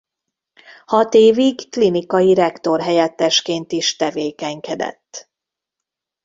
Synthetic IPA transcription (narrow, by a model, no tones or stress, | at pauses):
hɒt̪eːviɡklinikɒjiɾɛkt̪o̞rɦɛjɛt̪ːɛʃkeːnt̪iʃt̪ɛveːkɛŋkɛd̪ɛ̰t̪ː